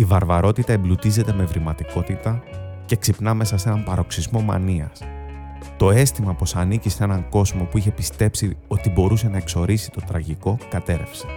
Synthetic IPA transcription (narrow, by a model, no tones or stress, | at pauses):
ivɐɾvɐɾo̞t̪it̪ɐemblut̪ize̞t̪e̞me̞vɾimɐt̪iko̞t̪it̪ɐ | ce̞ksipnɐme̞sɐse̞nɐmpɐɾo̞ksizmo̞mɐ̰niɐ̰s | t̪o̞e̞st̪imɐpo̞sɐnicisee̞nɐŋko̞zmo̞puiçe̞pist̪e̞psio̞t̪ibo̞ɾuse̞nɐekso̞ɾisi̥t̪o̞t̪ɾɐʝiko̞kɐt̪e̞ɾe̞̰fse̞̥